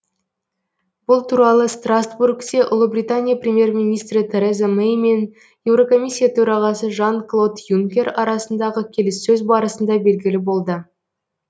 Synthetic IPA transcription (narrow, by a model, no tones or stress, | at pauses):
b̥ʊlˠt̪ʰuɾɑlˠəst̪rasburkt̪eʔʊ̰lˠəbrʲit̪anʲijaprʲemje̞rmʲinijst̪ɾɪt̪ʰe̞ɾezamejme̞n | je̞wɾo̞ko̞mʲijsʲːijat̪ʰɵɾɑʁɑsəʒɑnklˠo̞d̪juŋkʲe̞ɾɑɾɑsənd̪ɑʁəkʲʰe̞lɪsːɵzbɑɾəsənd̪ɑbe̞lɡʲɪlɪbo̞lˠd̪ə